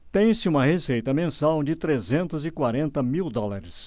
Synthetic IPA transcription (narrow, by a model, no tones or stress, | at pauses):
t̪ẽj̃sɪũmɐhesejt̪ɐmẽsawd͡ʒɪt̪ɾezẽnt̪ʊzɪkwaɾẽnt̪ɐmiwd̪ɔlaɾɪs